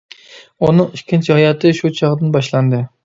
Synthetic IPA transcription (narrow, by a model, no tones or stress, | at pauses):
unɨŋiʃkʲint͡ʃʰihɑjɑt̪ʰɨʃut͡ʃʰɑʁd̪ɨnbɑʃlˠɑnd̪ɨ